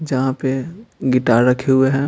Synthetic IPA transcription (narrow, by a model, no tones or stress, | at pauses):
d͡ʒɐɦãpeɡɪʈaːɾɾɐkʰeɦʊeɦɛ̃ː